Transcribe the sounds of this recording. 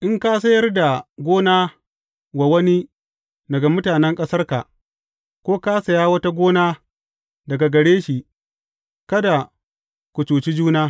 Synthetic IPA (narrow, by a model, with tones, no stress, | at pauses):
ʔɪ˦ŋkaː˦sɐ˦jɐ˦rda˨ɡʷoː˦naː˦ | wa˨wɐ˦ni˦ | dɐ˨ɡa˨mʊ˦taː˨nɛ˦ŋkʼɐ˦sɐ˦rka̰˨ | kʷoː˦kaː˦sɐ˨jaː˦wɐ˦ta˦ɡʷoː˦naː˦ | dɐ˨ɡa˨ɡɐ˨ɽeː˦ʃi˨ | kɐ˦da˨ | kʷʊ˨t͡ʃoː˨t͡ʃi˦d͡ʒuː˦naː˦